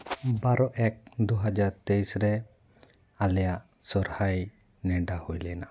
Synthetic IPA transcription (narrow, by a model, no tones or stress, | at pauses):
baɾɔʔɛk̚d̪uɦad͡ʒaɾt̪ɛjsɾɛ | alɛjaʔ | sɔɾhaj | nɛɖahujlɛna